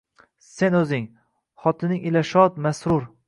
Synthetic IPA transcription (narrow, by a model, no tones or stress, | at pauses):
se̞nɵzɪŋ | χɒt̪ʰɪnɪŋɪlaʃɒt̪masɾʊɾ